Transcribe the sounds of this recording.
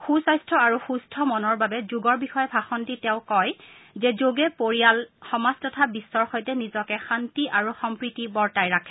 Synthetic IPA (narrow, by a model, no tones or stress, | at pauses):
xusajstʰɹɔaɹuxustʰɔmɔnɔɹbabɛzuɡɔɹbixɔjɛbʱaxɔntitɛ̃ʊ̃kɔjzɛzoɡɛpoɹijalxɔmastɔtʰabisːɔɹxɔjtɛnizɔkɛxantiʔaɹuxɔmpɹitibɔɹtajɹakʰɛ̥